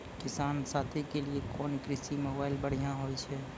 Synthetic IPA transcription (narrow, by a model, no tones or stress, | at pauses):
kɪsaːnsaːt̪ʰikeliekɔːnkɾɪsimoːbaːɪlbəɽ̤ijãɦoːit͡ʃʰɛː